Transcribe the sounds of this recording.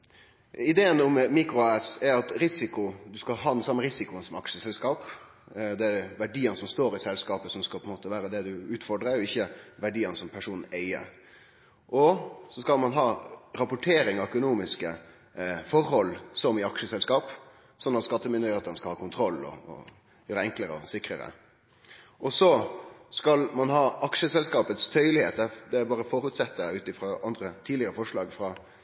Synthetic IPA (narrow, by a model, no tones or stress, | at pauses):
ɪd̪eːənʊmmiːkɾʊæːsɛɾɑt̪ɾɪsɪkʊd̪ʉskɑɦɑːnsɑmːəɾɪsɪkʊənsɔmɑkʂəsɛlskɑːp | d̪ɛæʋæɖiːənsɔmst̪oːɾɪsɛlskɑːpəsɔmskɑlpʰɛnmoːt̪əʋæːɾəd̪ɛd̪ʉʉːt̪fɔɖɾəɛɾjʊɪçːəʋæɖiːənəsɔmpʰæʂuːnn̩æɪə̰ɾ | ʔɔsɔskɑlmɑnɦɑːɾɑpʊʈʰeːɾɪŋɑœkʊnuːmɪskə | fɔrhɔlːsɔmɪɑkʂəsɛlskɑːp | sɔnːɑt̪skɑt̪ːəmɪnd̪əɾɪheːt̪ənəskɑlhɑːkʊnt̪ʰɾɔlːɔ̰ɔ̰ | jøːɾəɛŋkləɾəɔ̰sɪkɾəɾə̰ | ʔɔsɔskɑlmɑnhɑːɑkʂəsɛlskɑːpət̪st̪ʰœʏlɪheːt̪̚d̪ɛd̪ɛæbɑːɾəfɔɾʉːt̪sɛt̪ːəʉːt̪ɪfɾɑːʔɑnd̪ɾət̪ʰiːd̪lɪəɾəfɔʂɭɑːɡfɾɑː